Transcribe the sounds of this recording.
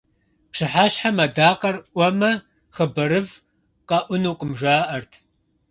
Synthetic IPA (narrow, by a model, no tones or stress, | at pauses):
pʂɨħaːɕħamɐdaːqʼɐrʔʷɔmɐ | χɐbɐɾɨv | qɐʔʷʊnuːqʼəmʒʷaːʔɐrtʰ